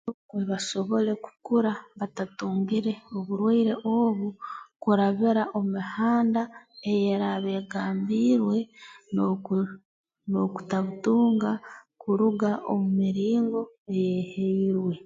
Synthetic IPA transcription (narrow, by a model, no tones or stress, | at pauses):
nukweβaʃo̞βo̞le̞ku̥kuɾaβatatuːŋɡiɾe̞oβuɾwaiɾe̞ʔoːβukuɾaβeɾaʔo̞mihaːndaejeɾaβe̞ːɡaːmbiːɾwe̞ | no̞ku̥taβutuːŋɡakuɾuɡaʔo̰mumiɾiːŋɡo̞e̞jeheiɾwe̞